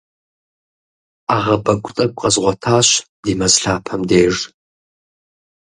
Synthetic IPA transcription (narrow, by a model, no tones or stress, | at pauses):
aʁɐbɐɡʷʼʊt͡sʼɐkʷʼqʼɐzʁʷɔtʰaːɕdiːmɐzɬaːpʰɐmdeːʐ